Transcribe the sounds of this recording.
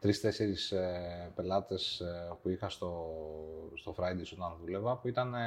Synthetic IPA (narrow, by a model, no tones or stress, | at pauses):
t̪ɾist̪e̞se̞ɾispe̞lɐt̪e̞spuixɐst̪o̞ | st̪o̞fɾɐjd̪esot̪ɐnðule̞vɐpuit̪ɐne